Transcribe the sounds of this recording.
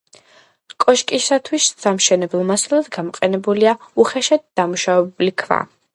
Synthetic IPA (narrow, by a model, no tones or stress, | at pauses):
kʼɔʃkʼisat̪ʰwissamʃɛnɛblˠmasalˠad̪ɡamɔqʼɛnɛbuliauχɛʃad̪̚d̪̥amuʃavɛbulikʰva̰